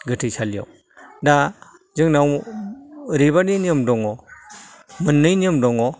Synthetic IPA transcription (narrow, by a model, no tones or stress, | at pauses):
ɡɯtʰɯjsalijɔ̰w | da | zɯŋnaw | ɾiβaniniɯmdɔŋɔ | mɯnːɯjniɯmdɔŋɔ